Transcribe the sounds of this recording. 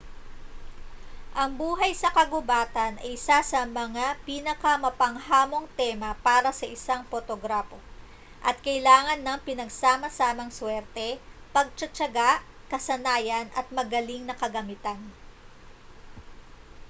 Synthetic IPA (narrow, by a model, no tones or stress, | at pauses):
ʔɐŋbuːɦɐjsɐkɐɡʊbaːt̪ɐnʔɐjɪsasɐmɐŋapinɐkɐmɐpɐŋhaːmo̞ŋt̪ɛmɐpaːɾɐsɐʔɪsaŋfot̪oɡɾafo | ʔɐt̪̚kɐʔɪlaːŋɐnːɐŋpɪnɐɡsaːmɐsaːmɐŋswɛɾt̪ɛpɐɡ̚t͡ʃɐt͡ʃɐɡaʔ | kɐsɐnaːjɐnɐt̪̚mɐɡɐliŋnɐkɐɡɐmɪt̪an